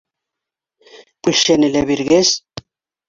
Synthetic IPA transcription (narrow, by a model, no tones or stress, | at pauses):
pulʃeneleβiɾɣes